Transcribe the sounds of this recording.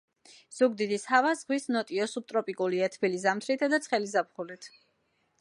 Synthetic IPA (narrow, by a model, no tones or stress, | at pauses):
z̥uɡd̪id̪ishavazʁwisnɔt̪ʼiɔsup̚t̪ʼɾɔpʼikʼuliat̪ʰvilizamt̪ʰɾit̪ʰad̪at̪sʰχɛlizap̚χulit̪ʰ